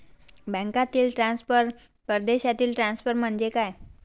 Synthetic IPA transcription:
bə̃ŋkat̪iːlʈɾãnspəɾ | pəɾd̪eɕat̪iːlʈɾãnsfəɾm̤əɳd͡ʑekaj

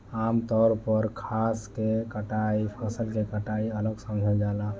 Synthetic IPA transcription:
amt̪ɔɾpəɾkʰaskekəʈaipʰəsəlkekəʈaiələɡsə̃md͡ʒʱəd͡ʒala

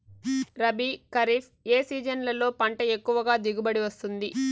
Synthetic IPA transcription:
ɾɐbikɐɾiːfʰ | e̞ːsiːd͡ʒɐnlɐlo̞ːpɐɳʈɐe̞kːuʋɐɡaːd̪iɡubɐɽiʋɐst̪und̪i

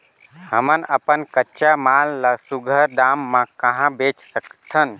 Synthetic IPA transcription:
həmənəpənkətːʃamalːəsuɡʱəɾɖamːãkəɦãbet͡ʃsəkt̪ʰən

